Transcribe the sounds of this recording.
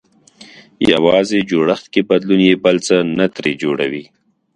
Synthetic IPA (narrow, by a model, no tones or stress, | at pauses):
ja̰wɑzed͡ʒoɽaxt̪kebad̪lunjebalt͡sənat̪ɾed͡ʒoɽa̰wi